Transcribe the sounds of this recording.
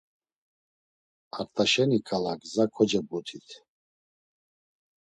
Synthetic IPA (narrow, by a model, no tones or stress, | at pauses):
aɾt̪ʰaʃɛnikʰʼalakʼzakʰɔd͡ʒɛbut̪ʰit̪ʰ